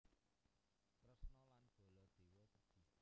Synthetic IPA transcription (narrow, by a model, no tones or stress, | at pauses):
pɾəsnɔlanb̥o̤lɔd̪̥e̤wɔt̪əɡ̥i̤